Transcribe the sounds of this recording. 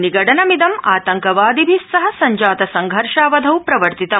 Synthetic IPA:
niɡɐʈɐnɐmid̪ɐmaːt̪ɐŋkɐʋaːd̪ibʱisːɐɦɐ̆sɐɲd͡ʒaːt̪ɐsɐŋɡʱɐɾʃaːʋɐd̪ʱɐwpɾɐʋɐɾt̪it̪ɐ

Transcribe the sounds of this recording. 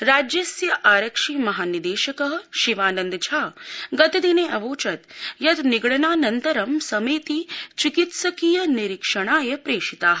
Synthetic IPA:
ɾaːd͡ʒjɐsjɐʔaːɾɐkʂiːmɐɦaːnid̪eːʃɐkɐɦɐ̆ʃiʋaːnɐnd̪t͡ʃʰaːɡɐt̪id̪ineːʔɐʋoːt͡ʃɐt̪jɐt̪niɡɽɐnaːnɐnt̪ɐɾɐmsɐmeːt̪it͡ʃikit̪sɐkiːjɐniɾikʂɐɳaːjɐpɾeːʂit̪aːɦ

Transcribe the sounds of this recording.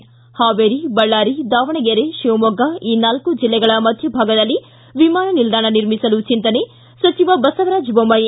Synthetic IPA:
haːʋeːɾibɐɭːaːɾid̪aːʋɐɳɐɡeɾeʃiʋɐmɔɡɐiːnaːlkud͡ʒilːɛɡɐɭɐmɐd̪ʱjɐbʱaːɡɐd̪ɐlːi | ʋimaːnɐnild̪aːɳɐniɾmisɐlut͡ʃint̪ɐne | sɐt͡ʃiʋɐbɐsɐʋɐɾaːd͡ʒbɐmɐj

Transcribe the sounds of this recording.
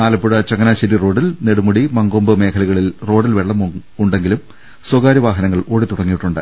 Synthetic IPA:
aːlɐpːuɽɐt͡ɕɐŋɐnaːɕɐɾiro̞ːɽilneɽumuɽimɐŋɡoːmbɨme̞ːkʰɐlɐɣɐɭilro̞ːɽilʋeɭːɐm | uɳɖe̞ŋɡilum | swɐɡaːɾiʋaːɦɐnɐŋːɐɭo̞ːɽit̪uɽɐŋːijiʈːuɳɖa̰ːj

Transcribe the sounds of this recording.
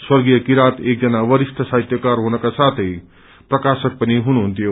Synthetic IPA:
swʌɾɡijʌkiɾat̪ek̚d͡zʌnaʋʌɾist̪ʰʌsaɦit̪jʌkaɾɦunʌkasat̪ʰʌj | prʌkasʌk̚pʌniɦunuɦunt̪ʰijo

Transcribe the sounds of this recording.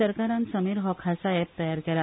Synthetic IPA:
əɾkaɾãnsəmiːɾɦɔkʰasaɛp̚t̪əjaɾkeɾa

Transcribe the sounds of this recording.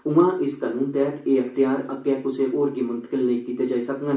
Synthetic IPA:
ʊmãʔɪsk̪aluːnt̪ɛɦt̪ʰeɐkʰt̪ijaːɾɐkːjɛkʊseʔoːɾkimʊ̃nt̪ə̥kɪlnɐĩkiːt̪ed͡ʒaːisɐkŋɡa

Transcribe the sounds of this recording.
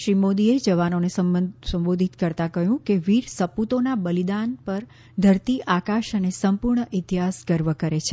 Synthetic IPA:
ʃɾimod̪ied͡ʒəʋanonesəəsə̃mbod̪ʱit̪kəɾt̪akəɦjũkeʋiɾsəput̪onabəlid̪anpəɾ | d̪ʱəɾt̪iʔakaʃənesəmpuɾɳəʔɪt̪iɦasɡəɾʋəkəɾet͡ʃʰe

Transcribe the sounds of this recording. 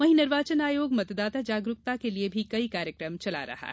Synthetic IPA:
ʋɐɦinɪɾʋaːt͡ʃənaːjoːɡmɐt̪d̪aːt̪ad͡ʒaːɡɾʊkt̪akeliebʱikɐikaːɾjəkɾəmt͡ʃɐla̰ɾɐ̰ɦa̰ː

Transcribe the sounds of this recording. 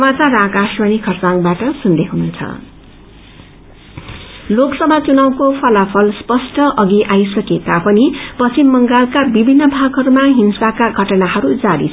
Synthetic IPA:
sʌmat͡sarakaswʌnikʰʌrt͡saŋbaʈʌsund̪eɦununt͡sʰʌ̰ | loksʌbat͡sunawkopʰʌlapʰʌlspʌsʈʰʌʔʌɡiʔajsʌkekapʌnipʌsimːʌŋɡalkabibʱinːʌbʱaɡɦʌɾumaɦinsakaɡʱʌʈʌnaɦʌɾud͡zaɾḭt͡sʰ

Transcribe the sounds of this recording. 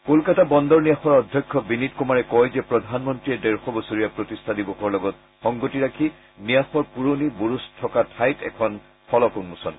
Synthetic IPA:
kolkatabɔndɔɹnijaxɔɹɔdʱjɔkʰːɔbinitkumaɹɛkɔjzɛpɹɔdʱanmɔntɹiɛdɛɹxɔbosuɹijapɹotistʰadibɔxɔɹlɔɡɔt | xɔŋɡotiɹakʰi | nijaxɔɹpuɹonibuɹustʰɔkatʰajtɛ̰kʰɔn | fɔlɔkunmusɔn

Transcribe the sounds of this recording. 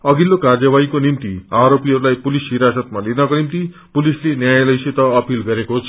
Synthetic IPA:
ʌɡilːokard͡zʌbaikonimt̪iaɾopiɦʌɾulajpulisɦiɾasʌt̪malenʌkonimt̪i | pulislenjajlʌjsit̪ʌʌpilɡʌɾekoɦot͡sʰ

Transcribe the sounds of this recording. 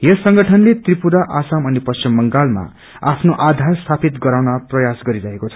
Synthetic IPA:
jʌsʌŋɡʌʈʰʌnlet̪ripuɾaʔasamʌnipʌst͡simːʌŋɡalma̰ | apʰnoʔad̪ʱarst̪ʰapʰit̪ɡʌɾawnaprʌjasɡʌɾiɾʌɦekot͡sʰʌ̥

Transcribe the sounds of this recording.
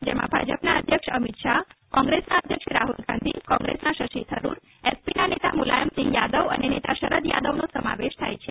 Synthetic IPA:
d͡ʒemã̰bʱa̰d͡ʒəpnaəd̪ʱjəkʂəmit̪ʃakɔ̃ŋɡɾesnaəd̪ʱjəkʃɾaɦulɡã̰nd̪ʱḭkɔ̃ŋɡɾḛsnaʃəʃit̪ʰəɾṵɾ | espinanet̪a̰mula̰jəmsɪ̃ŋɡjad̪əʋə̰nenet̪aʃəɾəd̪jad̪əʋnosəma̰ʋeʃt̪ʰajt͡ʃʰe

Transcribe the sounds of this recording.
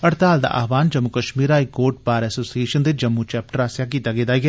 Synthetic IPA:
əɾt̪aːld̪a̰ːʔa̰ːʋaːnd͡ʒəmːukəʃmiːɾaːɪkoːʈ̚paːɾɛːsoːsieːʃənd̪ɪt͡ʃd͡ʒəmːut͡ʃɛːp̚ʈəɾaːsjaːk̬iːt̪aːɡeːd̪aːɡɛː

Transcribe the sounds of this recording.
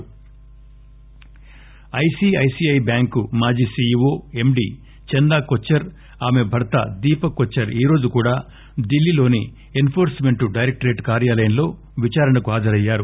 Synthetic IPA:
ɐjsiːɐjsiːɐjbjaːŋkumaːd͡ʒiːsiːʋoːe̞mɖiː | t͡ʃɛnd̪aːkot͡ʃːɐɾ | aːme̞bʱɐɾɐt̪ɐ̰d̪iːpɐkot͡ʃːɐɾiːɾo̞ːd͡ʒukuːɽaː | d̪ilːilo̞ːni | enpʰoːɾsme̞ɳʈuɖɐjɾek̚ʈɾe̞ːʈkaːɾjaːlɐjɐnlo̞ː | ʋit͡ʃaːɾɐɳnɐkuaːd̪ɐɾɐjːaːɾu

